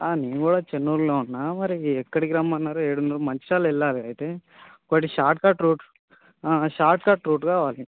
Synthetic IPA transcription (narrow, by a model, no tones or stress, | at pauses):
aːneːnukuːɽaːt͡ʃenːuːɾleːunːɐmɐɾiɛkːɐɽik̬ɾaːmɐnːaːɾueːɽunɐɾumɐɲt͡ʃʃaːlɐilːaːleɐjt̪e | koʈːiʃaːɾʈ̚kaːʈɾuːʈ | aːʃaːɾʈkaːʈɾuːʈɡaːʋaːli